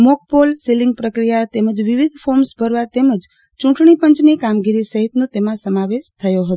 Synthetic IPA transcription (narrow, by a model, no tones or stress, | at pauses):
mok̚polselɪŋɡ̚pɾəkɾijat̪eməd͡ʒʋiʋid̪ʱfoɾmsbʱəɾʋat̪eməd͡ʒ | t͡ʃũʈɳipəɲt͡ʃnikamɡiɾisəɦit̪nõt̪emãsəmaʋesʃt̪ʰəjoɦət̪o